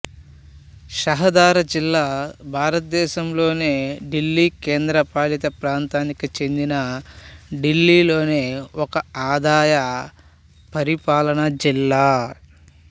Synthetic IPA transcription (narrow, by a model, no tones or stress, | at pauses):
ʃɐɦɐd̪aːɾɐd͡ʒilːaːbʱaːɾɐt̪̚d̪ɛːʃɐmlo̞ːneːɖilːiːkeːnd̪ɾɐpaːlit̪ɐpɾaːnt̪aːnikit͡ʃe̞nd̪inɐ | ɖilːiːlo̞ːne̞ːɔkɐaːd̪aːjɐ | pɐɾipaːlɐnɐd͡ʒilːaː